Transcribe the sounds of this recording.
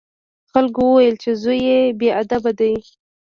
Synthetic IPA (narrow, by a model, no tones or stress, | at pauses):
xalkowəwajəlt͡ʃezujebead̪abad̪aj